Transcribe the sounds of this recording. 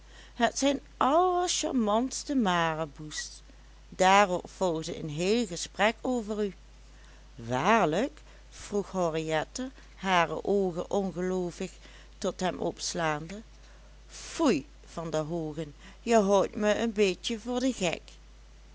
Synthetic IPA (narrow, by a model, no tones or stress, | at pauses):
ɦətsɛjn | ʔɑləʃa̰ɹmɑntstəmaːrəbust | d̥aːrɔpfɔlˠɣdəə̰nɦeːlɣəsprɛkʰoːvəry | ʋaːɹlək | fruxhɔriɛtə | ɦaːrə̰ʔoːɣəʔɔnɣəloːvɪx | tɔtɦɛmʔɔpslaːndə | fuj | v̥ɑndəɦoːɣən | jəɦowtməənbeːtjəvʊːɹdəɣɛ̰k